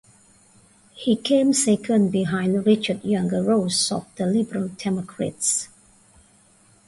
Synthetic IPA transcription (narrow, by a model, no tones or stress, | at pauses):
hikʰẽmsekʰə̃nbiɦãɪ̃ndɹɪt͡ʃədjãŋɡəɹosɔ̰fd̪̥əlibəɹəldɛmɔkʰɹa̰ts